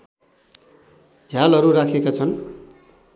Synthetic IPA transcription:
d͡zʱalʌɾurakʰekat͡sʰʌn

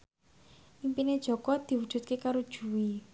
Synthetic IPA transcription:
ʔimpined̥ʒ̥ɔ̤kɔd̪̥i̤wud̥ʒ̥ṳt̪̚kekaɾud̥ʒ̥ṳwi

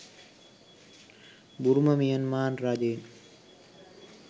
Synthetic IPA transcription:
buɾumɐmijɐnmaːnɾaːd͡ʒeːn

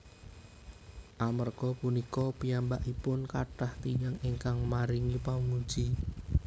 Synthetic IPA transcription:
ʔamərɡ̥ɔpunikɔpijambaʔipʊnkaʈaht̪ijaŋiŋkaŋmaɾiŋipamu̥d͡ʒi

